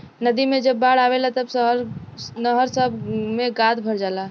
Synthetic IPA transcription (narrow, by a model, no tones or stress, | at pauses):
nəd̪imẽd͡ʒəbːaːɽaːʋelat̪əbsɦɾnəɦəɾsəbmẽɡaːd̪bʱəɽd͡ʒaːla